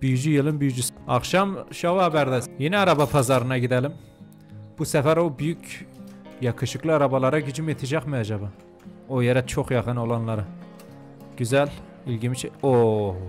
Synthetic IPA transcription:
b̥yjyd͡ʒyjɯlˠɯnbyjyd͡ʒysɑχʃɑmʃɑvɑbæɾd̪æjinɛɑɾɑbɑpʰɑzɑɾɯnɑɟid̪ælim | b̥usæfæɾobyjycʰ | jɑkʰɯʃɯklˠɯɑɾɑbɑlˠɑɾɑɟyd͡ʒymet̪ʰɛd͡ʒɑχmɯjɑd͡ʒɑbɯ | ojɛɾæt͡ʃʰoχjɑχɯnolˠɑnlˠɑɾɯ | ɟ̥yzæl | ilɟimit͡ʃʰo

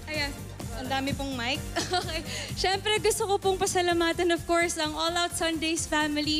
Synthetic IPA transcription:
ʔɐjan | ɐnd̪aːmɪpoŋmajk̚ooːkejʃɛmpɾɛɡʊst̪okopoŋpɐsɐlamaːt̪ɐnɔvkoɹsɐŋolawt̪sɐnd̪ejsfamɪli

